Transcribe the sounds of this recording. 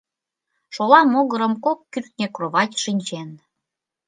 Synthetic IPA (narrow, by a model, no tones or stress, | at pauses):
ʃolɑmoɣə̆ɾə̆mkokːyrt̪nʲekroβɑtʲʃinʲt͡ɕen